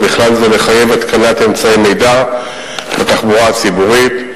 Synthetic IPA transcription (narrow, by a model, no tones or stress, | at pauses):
biχlalzeleχaje̞vat̪kanat̪emt͡saeme̞jda | bat̪aχbuʁat͡sibuʁit̪